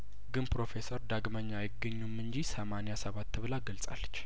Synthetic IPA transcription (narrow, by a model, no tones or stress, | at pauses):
ɡɨnpɾo̞fe̞səɾd̪aɡməɲːajɪɡːəɲːumɨnɲd͡ʒisəmanejasəβat̪ʰːɨβɨlaɡəlsʼa̰lːət͡ʃː